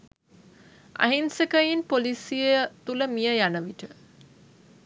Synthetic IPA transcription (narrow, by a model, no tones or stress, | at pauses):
a̰ɦinsekəjinpolisijet̪uləmijəjanəʋiʈə